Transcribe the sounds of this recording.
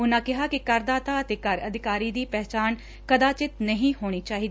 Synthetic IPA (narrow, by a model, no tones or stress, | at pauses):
ʊnãːkɪɦaːkikəɾd̪aːt̪aːət̪eːkəɾəd̪ʱɪkaːɾiːd̪iːpɛɦt͡ʃaːn | kəd̪aːt͡ʃɪt̪nəɦĩɦoːɽ̃iːt͡ʃaːɦiːd̪